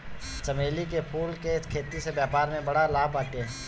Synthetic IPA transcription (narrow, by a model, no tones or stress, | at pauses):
t͡ʃɐmeːlik̬epʰuːlkeɪskʰeːt̪isebjaːpaːɾmẽbɐɽalaːbaːʈe